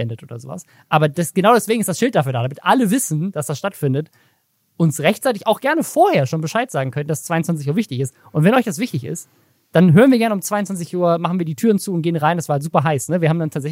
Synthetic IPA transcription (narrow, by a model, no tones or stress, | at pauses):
ɛndətʔo̰ːdɐzo̰ːva̰s | ʔaːbɐdɛsɡ̥ənaʊdɛsveːɡŋ̩ɪstd̥asʃɪlt̚d̥afyːɐdaːdamɪtʔaləvɪsn̩d̥asd̥asʃtatfɪndət | ʔʊnsʁɛçtt͡saɪtɪçaʊxɡ̥ɛɐnəfoːɐheːɐʃoːnbəʃaɪtz̥aːɡŋ̩kʰœntn̩dast͡sv̥aɪʊnt͡svant͡sɪçuːɐvɪçtɪçɪst | ʔʊntvɛnʔɔʏçd̥asv̥ɪçtɪçɪ̰st | d̥anɦøːʁnviːɐɡɛɐnəʊmt͡sv̥aɪʊntt͡svant͡sɪçʔuːɐmaχn̩viːɐdiːtʰyːʁənt͡suːʊnt̚ɡ̥eːənʁaɪndasv̥aːɐhaltzuːpɐɦaɪsnəviɐhaːm̩dantʰaːtz̥ɛç